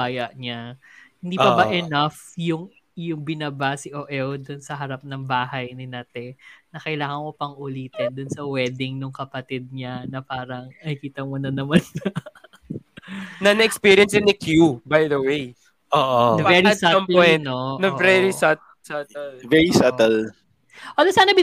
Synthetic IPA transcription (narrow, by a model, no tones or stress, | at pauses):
aːjɐʔɲahɪnd̪iːpɐbɐʔɛnafjʊŋ | jʊŋbɪnaːbasiʔoʔɛld̪ʊnsɐɦɐɾap̚nɐŋbaːɦɐjnɪnɐt̪ɛnɐkɐjlaːŋɐŋmopɐŋʔʊliːt̪ɛnd̪ʊnsɐwɛd̪ɪŋnʊŋkɐpɐt̪ɪd̪̚ɲanɐpaːɾɐŋnɐɪkiːt̪ɐmonɐnɐmɐnːɐ | nɐnɐɛkspiɾjɐnsɪ̃nd̪ɐkʰjubajd̪ɐwej | ʔoːʔovɛɾisampɛnonɐɛɾisɐt̪̚ | sat̪ɛlvɛɹisat̪ɛl | wɐlɐsaːnɐbi